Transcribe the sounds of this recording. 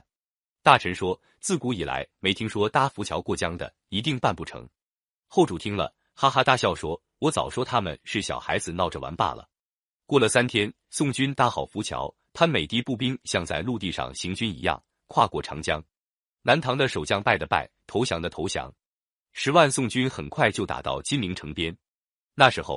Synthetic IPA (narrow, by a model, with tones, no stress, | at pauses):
t̪a˥˩ʈ͡ʂʰə˧˥nʂwɔ˥ | t͡sɹ̩˥˩ku˧˥i˨˩la̰˧˥ɪme˧˥ɪt̪ʰi˥ŋʂwɔ˥t̪a˥fu˧˥t͡ɕʰjɑ˧˥ʊkwɔ˥˩t͡ɕjɑ˥ŋd̪ə̰˨ | i˧˥t̪i˥˧ŋpa˥˧npu˥˩ʈ͡ʂʰɤ̰˧˥ŋ | xo˥˩ʊʈ͡ʂu˨˩t̪ʰi˥ŋlə̰˨˩ | xa˥xa˥t̪a˥˧ɕjɑ˥˩ʊʂwɔ˥ | wɔ˧˥t͡sɑ̰˨˩ʊʂwɔ˥t̪ʰa˥mə̰˨nʂɻ̩˥˩ɕjɑ̰˨˩ʊxa̰˧˥ɪd͡zɹ̩˧nɑ˥˩ʊʈ͡ʂə˩wa̰˧˥npa̰˥˩lə̰˩ | kwɔ˥˩lə˩sa˥nt̪ʰjɛ˥n | sʊ˥˩ŋt͡ɕy˥nt̪a˧˥˩xɑ˨˩ʊfu˧˥t͡ɕʰjɑ̰˧˥ʊ | t̪ʰa˥nme˨˩ɪt̪i˥˧pu˥˩pi˥ŋɕjɑ˥˧ŋt͡sa˥˧ɪlu˥˧t̪i˥˧ʂɑ̰˥˩ŋɕi˧˥ŋt͡ɕy˥nḭ˧˥jɑ̰˥˩ŋ | kʰwa˥˧kwɔ˥˩ʈ͡ʂʰɑ̰˧˥ŋt͡ɕjɑ˥ŋ | na˧˥nt̪ʰɑ˧˥ŋd̪ə˧ʂo˨˩ʊt͡ɕjɑ˥ŋpa˥˩ɪd̪ə˩pa̰˥˩ɪt̪ʰo˧˥ʊɕjɑ˧˥ŋd̪ə˧t̪ʰo˧˥ʊɕjɑ̰˧˥ŋ | ʂɻ̩˧˥wa˥˧nsʊ˥˩ŋt͡ɕy˥nxə˨˩nkʰwa˥˧ɪt͡ɕjo˥˩ʊt̪a̰˨˩t̪ɑ̰˥˩ʊt͡ɕi˥nli˧˥ŋʈ͡ʂʰɤ˧˥ŋpjɛ˥n | na˥˩ʂɻ̩˧˥xo˥˩ʊ